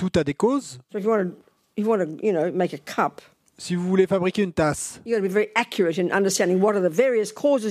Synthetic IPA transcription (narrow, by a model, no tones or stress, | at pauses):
t̪ut̪ad̪ekozsoʊɨfjɨwɑ̃nɨ | jəwɑ̃nɨjɨnoʊmeɪkɨkʰʌp | sivuvulefabʁikʲeynt̪asjɨɡɑɾəbivɛɹiʔækʰjə˞ɨɾɨ̃nʔʌ̰̃ndə˞stæ̃ndɪ̃ŋwʌɾə˞ðəvɛɹiɨskʰɔzɨ